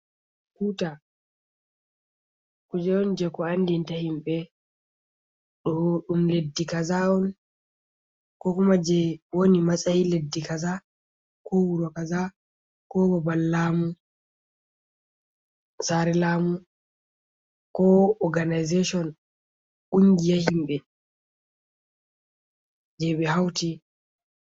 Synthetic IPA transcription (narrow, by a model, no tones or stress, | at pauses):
kuta | kud͡ʒɛɔnd͡ʒɛkɔandintahimɓɛ | ɗɔɗumledːikazaɔn | kɔkumad͡ʒɛwonimasʼajiledːikaza | kɔwuɾɔkaza | kɔɡɔbalːaːmu | saɾɛlaːmu | kɔɔɡanajzeʃɔn | ʔuŋɡijahimɓɛ | d͡ʒɛɓɛɦawti